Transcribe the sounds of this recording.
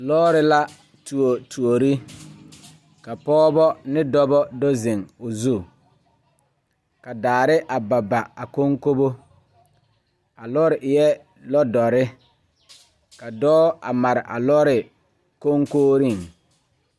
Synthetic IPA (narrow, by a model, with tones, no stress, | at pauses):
lɔː˦ɾɪ˦la˦ | tu˨o˨tʰu˨o˨ɾi˦ | ka˨pɔː˦bɔ˦nɪ˦dɔ˦bɔ˦dɔ˦zɪ˨ŋʊ˨zu˦˨ | ka˨daː˨ɾɪ˦ʔa˨ba˨ba˨a˨ko˦ŋko˦bo˦ | a˨lɔ˦ɾɪ˨ʔɪ˨jɛ˦ | lɔ˦dɔ˨ɾɪ˦ | ka˨dɔː˦a̰˨ma˨ɾɪ˨ʔa̰˨lɔː˦ɾɪ˨ | ko˦ŋkoː˦ɾi˦˨ŋ